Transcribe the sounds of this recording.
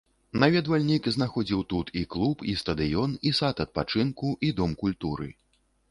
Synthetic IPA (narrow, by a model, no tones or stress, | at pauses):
navʲɛd̪valʲnʲikznaxɔd͡zʲiwt̪ut̪ʰiklˠupist̪ɐd̪ɨjɔnisat̪ɐt̪̚pat͡ʂɨnkuʔid̪ɔmkulʲt̪uɾɨ̰